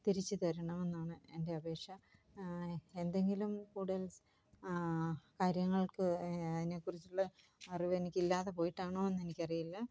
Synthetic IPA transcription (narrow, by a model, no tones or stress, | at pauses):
t̪iɾit͡ɕːɨt̪ɐɾɐɳɐmenːaːɳɨe̞nde̞ɐbe̞ːkʂɐ | e̞nd̪e̞ŋɡilumkuːɽɐls | kaːɾjɐŋːɐɭkɨɐðine̞kːurit͡ɕːuɭːɐː | riʋe̞nikʲːilːaːðepo̞ːjiʈːaːɳoːenːe̞nikʲːɐrijilːɐ